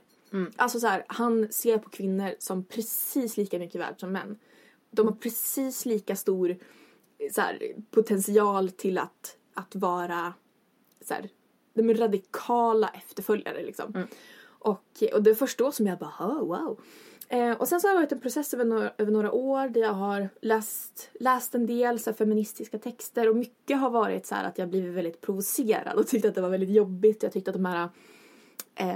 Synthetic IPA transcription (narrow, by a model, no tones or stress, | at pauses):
ʔa̰lsɔsæːɾhanseːɾpʰɔ̥kʰvɪnːəɾsɔmpʰɾɛsiːsliːkamʏkːəvæ̰ːɖʂɔmːɛ̰nː | d̪ɔmhaɾpʰɾɛsiːsliːkast̪uːɾ | sæ̰ːɾpʰʊt̪ʰɛnsɪɑːlt̪ʰɪla̰t̪ | at̪vɑːɾa | sæ̰ːɾ | d̪̥ɔmæɾad̪ɪkʰɑːla̰ʔɛft̪əɾfœlja̰ɾə̰lɪ̰ksɔ̰m | ʔɔkɔd̪ɛfœʂʈaoːsɔmjabɑːhowa̰ʊ | ʔɔsɛnsɔhajvɑːɾɪt̪ɛnpʰɾʊsɛsːøːvəɳoːʔøːvəɳoːɾaʔoːɾɖ̪æɾjɑːɡɦaɾlɛːst̪lɛːst̪ɛnd̪eːlsæːɾfɛmɪnɪst̪ɪskat̪ʰɛkst̪əɾɔmʏkːəɦaɾvɑːɾɪ̰t̪shæ̰ːɾʔa̰t̪jɑaːɡbliːvɪt̪vɛld̪ɪt̪̚pʰɾʊvʊseːɾa̰d̪ɔt̪ʰʏkt̪əat̪̚d̪ɛvaɾvɛldɪt̪jɔbːɪt̪ːɔjɑːɡt̪ʰʏkt̪əat̪̚d̪ɔmhæːɾa | ʔ